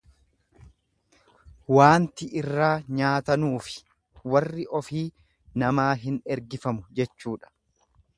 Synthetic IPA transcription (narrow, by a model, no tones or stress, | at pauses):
waːnt̪ɪʔɪrːaːɲaːt̪ɐnuːfɪ̥ | wɐrːɪʔɔfiː | nɐmaːɦɪnɛɾɡɪfɐmʊd͡ʒɛt͡ʃːuːᶑɐ̥